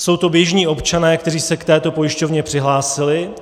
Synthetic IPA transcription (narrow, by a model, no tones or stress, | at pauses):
so̞wt̪o̞bjɛʒɲiːʔo̞pt͡ʃanɛːkt̪ɛriːsɛkt̪ɛːt̪o̞po̞jɪʃco̞vɲɛpr̥ɪɦlaːsɪlɪ